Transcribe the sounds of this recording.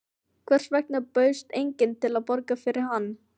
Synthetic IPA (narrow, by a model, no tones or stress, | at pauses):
kʰvɛr̥svɛk̚napœːɥst̪ejɲcɪnt̪ʰɪlaðpɔɾkafɪɾɪɾɦanː